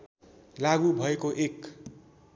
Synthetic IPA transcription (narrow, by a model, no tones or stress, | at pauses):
laɡubʱʌekoʔek